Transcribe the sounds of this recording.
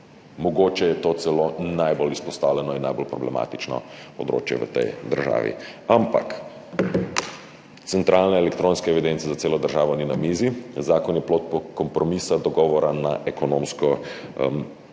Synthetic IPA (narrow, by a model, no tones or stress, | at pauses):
mɔɡoːt͡ʃɛjɛt̪oːt̪sɛloːnajbolispɔst̪aːwlʲɛnɔinːajbolpɾɔblɛma̰t̪it͡ʃnɔ̰pɔd̪ɾo̰ːt͡ʃjɛ̰ʋə̰t̪ɛ̰jd̪əɾʒa̰ːʋḭampa̰k | t̪sɛnt̪ɾʔaːlnɛɛlɛkt̪ɾõːnskɛɛʋid̪ent̪sɛzat̪eːlɔd̪əɾʒaːʋɔninamiːzizaːkɔnjɛploːt̪̚pkɔmpɾɔmisad̪ɔɡɔːʋɔɾanaʔɛkɔnoːmskɔm